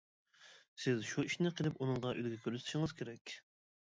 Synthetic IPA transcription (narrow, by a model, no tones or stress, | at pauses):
sɪzʃuiʃnɪqʰəlˠɪpunɨŋʁɑʔyd̪ɡʲɛkʲʰøɾst̪ʰʃɪŋɨz̥kʲʰeɾɛkʲ